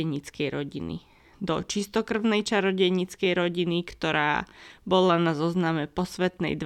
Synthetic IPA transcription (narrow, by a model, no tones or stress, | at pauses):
ɛɲit͡skɛjɾɔɟḭnḭ | d̪ɔt͡ʃist̪ɔkr̩ʊnɛjt͡ʃaɾɔɟɛjɲit͡skɛjɾɔɟinikt̪ɔɾa̰ːbɔlanazɔznamɛpɔsʋɛt̪nɛ̰jd̪